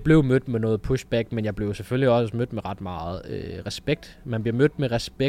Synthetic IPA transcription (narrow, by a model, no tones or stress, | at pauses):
b̥le̝ʊmød̥menɔ̽ːð̩ˠpʰuɕb̥æɡ̥menjɑ̈ɪble̝ʊsefølliɒ̽smød̥meʁɑ̈d̥mɑ̈ːð̩ˠøʁɛsb̥eɡ̥̚d̥ | mænb̥liɐmød̥meʁɛsb̥e